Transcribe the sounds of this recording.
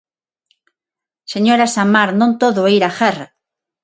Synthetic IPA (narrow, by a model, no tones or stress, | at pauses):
seɲoɾasamaɾnõnt̪oðoaiɾaxera